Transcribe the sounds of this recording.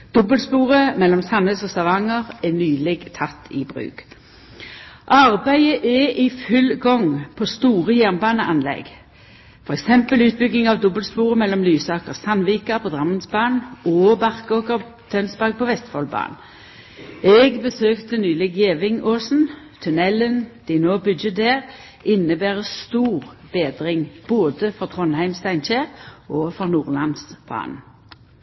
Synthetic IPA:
d̪̥ɔbəlspuːʁəmɛlːɔmsɑnəsɔsɑʋɑŋəʁɛnyːlɛɡt̪ʰɑt̪ʰːɪ̰bʁʉ̰ːɡ̥ | ʔɑʁbæɪəʔɛʔɪfʉlɡɔŋpʰost̪uːʁəjæʁnbɑːnəʔɑnlɛ̰ɡ | fɔʁɛksɛmpəlʉːt̪̚bʏɡnɪŋɑʋd̪ɔbəlspuːʁəmɛlːɔmlyːsɑːkəʁsɑnʋiːkɑpʰɔd̪ʁɑmːənsbɑːnɔːbɑʁkoːkəʁ | t̪ʰœnsbɑɡ̚pʰoːʋɛst̪fɔlbɑ̰ːn | ɛɡbəsøːkt̪ənyːlɪɡeːʋɪŋoːsn̩ | t̪ʰʉnɛlənd̪̥ɪnoːbʉd̪d͡ʒəd̪eːʁ | ʔɪnəbæːʁəst̪uːʁb̥eːd̪ʁɪŋb̥oːd̪əfɔʁt̪ʰʁɔnhæɪmst̪æɪnʃeːʁoːfɔʁnuːʁlɑnsb̥ɑ̰ːn

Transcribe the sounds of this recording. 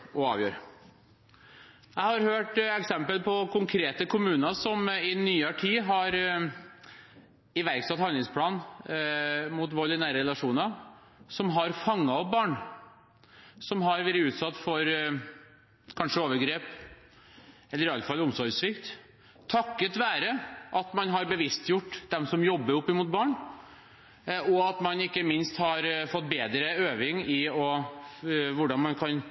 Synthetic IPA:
ɔɑ̰ːʋjøːɾ | jæɪhɑɾhøːʈɛksɛmpəlpʰɔkʰʊŋkʰɾeːt̪əkʰʊmʉːnəsɔmɪnyːɑʈʰiːɦɑɾ | ɪʋæɾksɑt̪hɑnlɪŋspʰlɑːn | mut̪̬ʋoːlɪnæːɾəɾɛlɑʂuːnəɑ | sɔmɦɑɾfɑŋːɑɔp̚bɑːɳ | sɔmɦɑɾʋæːɾəʉːt̪sɑt̪ːfɔɾ | kʰɑnʂəoːʋəɾɡɾeːp | ɛlːəɾɪɑlfɑlʊmsɔɾɡsʋɪkt̪ | t̪ʰɑkːət̪ʋæːɾəʔɑt̪mɑnɦɑɾbəʋɪst̪jʊʈːd̪ɛmsɔmjɔbːəɾʊpːəmuːt̪̚bɑːɳ | ɔɑt̪mɑnɪkːəmɪnst̪hɑɾfɔt̪̚ːbeːd̪ɾəøːʋɪŋɪɔ | ʋʊɖɑnmɑnkʰɑn

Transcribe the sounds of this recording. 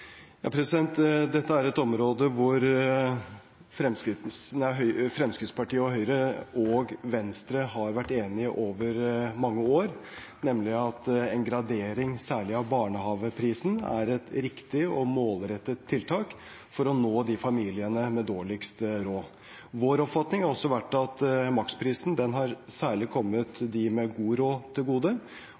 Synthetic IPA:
jɑ̰ːpʰɾɛsɪd̪ɛnt̪d̪ɛt̪ːəæɾɛt̪ɔmɾoːd̪əʋʊɾ | fɾɛmskɾɪnæɪɦœʏfɾɛmskɾɪt̪spʰɑʈiːəɔɦœʏɾəɔɡʋɛnst̪ɾəɦɑɾʋæʈːeːnɪəʔoːʋəɾmɑŋːəoːɾ | nɛmlɪɑt̪ɛŋɡɾɑd̪eːɾɪŋsæːɭɪɑʋbɑːɳəhɑːʋəpʰɾiːsn̩æ̰ɾɛt̪ɾɪkt̪ɪɔmoːlɾɛt̪ːət̪ʰːɪlt̪ʰɑːk | fɔɾɔnoːd̪ɪfɑmiːlɪənəmɛd̪oːɭɪkst̪ɾoː | ʋoːɾɔpfɑt̪nɪŋhɑɾɔsːɔʋæʈːɑt̪mɑkspʰɾiːsn̩d̪ɛnɦɑɾsæːɭɪkʰɔmːət̪d̪ɪmɛɡuːɾoːt̪ʰɪlɡuːd̪ə

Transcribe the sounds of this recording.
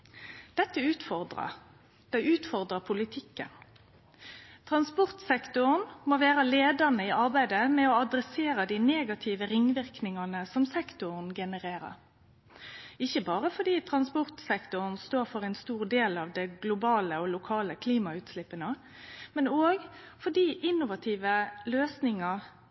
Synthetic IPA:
d̪̥ɛt̪ːəʉːt̪fɔd̪ʁɑ̰ | d̪̥ɛʉːt̪fɔʁd̪ʁəpʰʊlɪt̪ʰɪkːə̰n | t̪ʰʁɑnspɔʁt̪sɛkt̪ʊnmoːʋæːɾəleːd̪əʁnəiːʔɑʁbæɪd̪əmɛoɑd̪ɾɛseːɾəd̪iːneːɡɑt̪ʰɪʋəɾɪŋːʋɪʁknɪŋɑnəsɔmsɛkt̪ʊʁn̩ɡɛnəʁeːɾə̰ | ɪçəbɑːʁəfɔɖ̪iːt̪ʰʁɑnspɔʁt̪sɛkt̪ʊʁnst̪oːɾfɔʁɛnst̪uːʁd̪eːlɑːʋd̪ɛɡlʊbɑːləɔlʊkʰɑːləkʰliːmɑʉːt̪slɪpːənə | mɛnoːɡfɔɖiːʔɪnːʊʋɑt̪ʰiːʋəløːsnɪŋɑ

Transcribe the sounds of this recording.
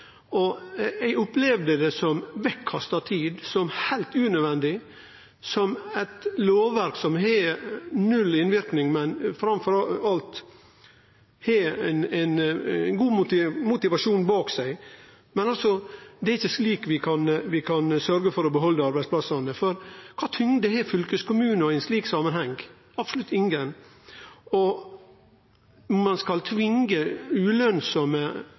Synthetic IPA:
ɔæɪʊplɛʋd̪əd̪ɛsɔmʋɛkʰːɑst̪ɑt̪ʰiːd̪sɔmhæɪlt̪ʉːnøʋɛnd̪ɪ | sɔmɛt̪loːʋʋæɾksɔmɦɛnʉlːɪnʋɪɾknɪŋmɛnfɾɑmfɔɾɑlt̪ | hɛnæɪnɡuːmʊt̪ɪmʊt̪ɪʋɑʂuːnbɑːksæɪ | mɛnɑlsɔd̪ɛæɾɪçːəsliːkʋɪkʰɑnʋɪkʰɑnsœɾɡəfɔɾɔbəɦɔlːəɑɾbæɪspʰlɑsɑnəfɔɾkʰɑːt̪ʰʏŋd̪ɛɛfʏlkəskʰʊmʉːnəɔɛɪnsliːksɑmənhɛŋ | ɑbsɔlʉt̪ɪŋɡən | ɔ | mɑnskɑlt̪ʰʋɪŋɡəʉːlœnsɔmə

